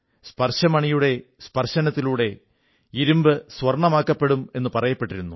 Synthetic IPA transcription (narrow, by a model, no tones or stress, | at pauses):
spɐrɕɐmɐɳijuɽe̞spɐrɕɐnɐt̪ːiluːɽe̞ | iɾumbɨswɐrɳɐmaːkːɐpːe̞ɽume̞nːɨpɐrɐjɐpːe̞ʈːiɾunːu